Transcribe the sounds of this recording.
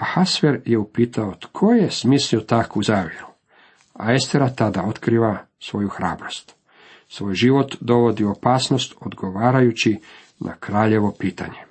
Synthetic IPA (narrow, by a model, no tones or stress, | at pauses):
ahasʋeɾjeupiːt̪aot̪kʰo̞jesmisliot̪akouzaːʋjeɾu | a̰est̪eɾat̪ad̪ao̞t̪kɾiːʋa | sʋo̞juxɾa̰ːbɾo̞st̪ | sʋo̞ːjʒiʋo̞t̪d̪o̞ʋo̞d̪io̞paːsnost̪o̞d̪ɡo̞ʋaːɾajut͡ɕi | nʔa̰kɾaːʎe̞ʋo̞piːt̪a̰ɲe̞